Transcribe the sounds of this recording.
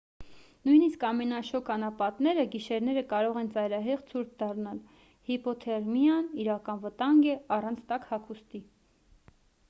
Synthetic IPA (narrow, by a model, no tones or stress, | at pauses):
nujniskɑmɛnɑʃɔkʰɑnɑpɑt̪nɛɾəɡiʃɛɾnɛɾəkɑɾɔʁɛnt͡sɑjɾɑɦɛʁt͡sʰuɾkʰd̪ɑrnɑl | hipɔt̪ʰɛrmijɑniɾɑkɑnvət̪ɑŋɡɛɑrɑnt͡sʰt̪ɑkhɑkʰust̪i